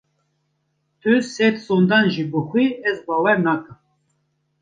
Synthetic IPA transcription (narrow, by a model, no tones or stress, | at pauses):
t̪ʰɨsɛt̪sond̪ɑːnʒiːbɨxʷiːɛzbɑːwɛɾnɑːkɨm